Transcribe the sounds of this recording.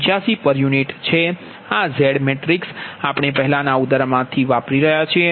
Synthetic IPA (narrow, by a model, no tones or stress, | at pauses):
t͡ʃjasipəɾjuniʈt͡ʃʰe | azɛɽmeʈɾiksapɽ̃epəɦɛlanaud̪əɾmãt̪ʰiʋapɾiɾəɦjat͡ʃʰie